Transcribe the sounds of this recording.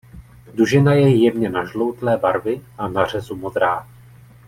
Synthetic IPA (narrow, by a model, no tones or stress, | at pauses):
duʒɪnajɛjjɛvɲɛnaʒlowt̪lɛːbaɾvɪʔanar̝ɛzumod̪ɾaː